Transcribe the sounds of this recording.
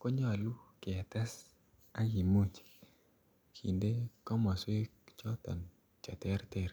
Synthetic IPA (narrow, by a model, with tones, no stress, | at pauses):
kɔ˦ɲɔ˦a˨lu˦ke˨a˨t̪a˦s | a˦ɡi˨mu˦t͡ʃi̥˨ | kʰḭ˨nde˦kɔ˦ma˨swe˦ | t͡ʃɔ˦t̪ɔ̰˨n | t͡ʃa˨tɛ˦ɾtɛ˦ɾ